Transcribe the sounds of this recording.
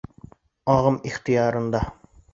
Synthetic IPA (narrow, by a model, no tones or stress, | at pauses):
ɒʁɤmiχt̪ĭjɑɾɤ̆nd̪ɑ